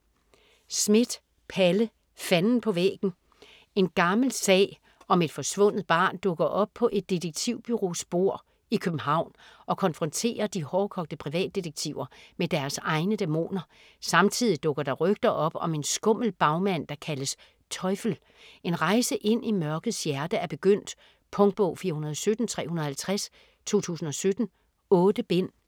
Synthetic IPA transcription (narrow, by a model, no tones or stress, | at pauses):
smed̥ | pʰælə | fænn̩pʰɒ̽ʋḛːɡ̥n̩ | e̝nɡ̥ɑ̈ml̩sɛ̰ː | ɒ̽me̝d̥fɒ̽sʋɔ̽n̰ð̩ˠb̥ɑ̰̈ːnd̥ɔ̽ɡ̥ɐʔɒ̽b̥̚pʰɒ̽ʔe̝d̥ːideɡ̥̚t͡sʰiʊb̥yʁo̝sb̥o̝ɐ̰ | ikʰøb̥̚m̩ɦɑ̈ʊ̰nʔɒ̽kʰɒ̽nfʁɒ̽nt͡sʰe̝̰ːɐd̥ihɒːkʰɒ̽ɡ̥̚d̥əpʰʁiʋɛ̰ːd̥ːiɾeɡ̥̚t͡sʰiʊ̰ɐmed̥æɐsɑ̈ɪnəd̥emo̝̰ːnɐ | sɑ̈mt͡sʰið̰ˠid̥ɔ̽ɡ̥ɐɾ̥ɑ̈ʁœɡ̥̚d̥ɐʔɒ̽b̥ɒ̽me̝nsɡ̥ɔ̽m̰l̩b̥ɑ̈ʊmæn̰d̥ɑ̈kʰæləs | t͡sʰɒ̽ɪfl̩ | e̝nʁɑ̈ɪsəʔe̝n̰ʔimɶɐɡ̥ð̩ˠsjæɐd̥əæɐb̥e̝ɡ̥øn̰d̥ | pʰɔ̽ŋd̥̚b̥ɔʊfiːɐhunɐð̞ˠɒ̽sød̥n̩t͡sʰʁɛ̰ːhunɐð̩ˠhælt͡sʰʁas | t͡sʰo̝̰ːt͡sʰṵːsn̩ɒ̽sød̥n̩ | ɔ̽ːd̥əb̥en̰